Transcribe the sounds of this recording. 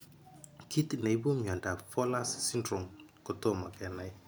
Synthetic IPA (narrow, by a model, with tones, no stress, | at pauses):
kʰi˦t̪i˨ne˨i˦bu˦mjɔ˨nda˨fɔ˦la˦ssi˦ndɾo˨mko˨to˦˨ma˨kɛ˨na˦j